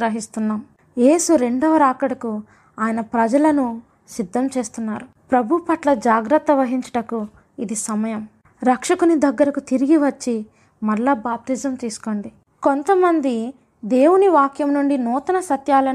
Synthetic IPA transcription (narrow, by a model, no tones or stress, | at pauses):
ɾɐɦist̪unːaːm | je̞ːsuɾe̞ɳɖɐʋɐɾaːkɐɽɐku | aːjɐnɐpɾɐd͡ʒɐlɐnu | sid̪ʱːɐmt͡ʃe̞ːst̪unːaːɾu | pɾɐbʱupɐʈlɐd͡ʒaːɡɾɐt̪ːɐʋɐɦiɲt͡ʃɐ̥ʈɐku | id̪isɐmɐjɐm | ɾɐkʂɐkunid̪ɐɡːɐɾɐkut̪iɾiɡiʋɐt͡ʃːi | mɐlːabaːp̚t̪iːd͡ʒɐmt̪iːsu̥ko̞ːɳɖi | ko̞nt̪ɐmɐnd̪i | d̪e̞ːwuniʋaːkjɐmnuɳɖinɔːt̪ɐnɐsɐt̪jaːlɐ